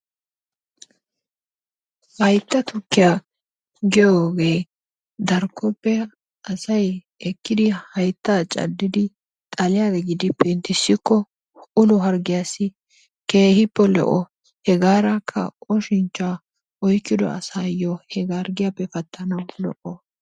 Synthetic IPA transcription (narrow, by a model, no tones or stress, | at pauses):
hɐjt̪ːɐt̪ʊkːɪja | ɡɛjoːɡe̞ː | d̪ɐɾkʰːɔpːɛ | ɐsɐj | ɛkːɪd̪ɪhɐjt̪ːaːt͡ʃʼɐ̰d̪ːɪd̪ɪ | t̪ʼɐlɪjaːd̪ɛɡɪd̪ɪpɛnt̪ɪsːɪkːɔ | ʊnʊɦɐɾɡɪjasɪ | keːhɪpːɛlɔ̰ʔɔ | hɛɡaːɾɐkʰːɐ̰ɔʃɪnt͡ʃːaː | ʔɔjkːɪd̪ɔ̰ɐ̰saːjːɔhɛɡaɾɡɪjapːɛfɐt̪ʰːɐnɐwlɔ̰ʔɔ